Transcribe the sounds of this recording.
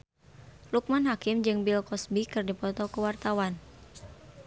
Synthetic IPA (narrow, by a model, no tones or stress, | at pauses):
luk̚manɦakɪmd͡ʒɨŋbilkɔsbikɨrdipɔt̪ɔkəwart̪awan